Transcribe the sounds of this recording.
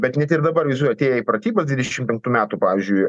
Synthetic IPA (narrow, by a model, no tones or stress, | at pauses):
bʲɛt̪nʲɛt̪ɪɾd̪ɐbɐɾʋʲɛɪzuɔjɛɐt̪ʲeːjɛipɾɐt̪ʲiːbɐsd̪ʋʲɪd̪ʲɛʃʲɪmpʲɛŋk̚t̪uːmʲæːt̪upɑːʋʲɪːzʲd͡ʒʲʊɪ